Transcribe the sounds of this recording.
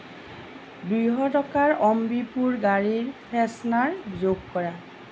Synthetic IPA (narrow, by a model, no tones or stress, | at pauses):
dujɦɔtɔkaɹɔmbipuɹɡaɹiɹpʰɛsnaɹzoɡkɔɹa